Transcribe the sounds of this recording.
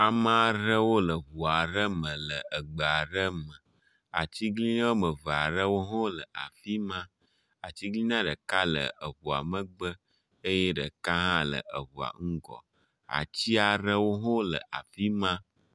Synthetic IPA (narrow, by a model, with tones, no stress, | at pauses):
a˨ma˦a˨ɾə˦wo˦lə˨βu˨a˨ɾə˦mə̃˨lə˨ə˨ɡ͡bə˨a˨ɖə˦mə˨ | a̰˨t͡ɕi˦ɡli˦nã˦wo˦mə̃˨və˨a˨ɾə˦wo˦ɦõ˦lə˨a̰˨fi˦mã˦ | a˨t͡ɕi˦ɡli˦nã˦ɖə˨ka˦lə̰˨ʔə˨βu˨a̰˨mə˦ɡ͡bə˦ | ə˦je˦ɖə˨ka˦ɦã˦lə̰˨ʔə̰˨βu˨a̰˨ŋ̩˦ɡɔ̰˨ | a̰˨t͡ɕi˦a˨ɾə˦wo˦ɦõ˦lə̰˨ʔa̰˨fi˦mã˦